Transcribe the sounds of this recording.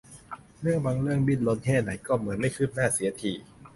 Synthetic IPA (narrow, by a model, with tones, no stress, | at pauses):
mɯ˥˩əbaː˧ŋlɯ˥˩əŋbi˥˩nlo˧nhʰɛː˥˩na˩˦jkɔː˥˩mɯ˨˩˦ənma˥˩jkʰɯː˥˩p̚naː˥˩si˩˦ɐt̪ʰiː˨˩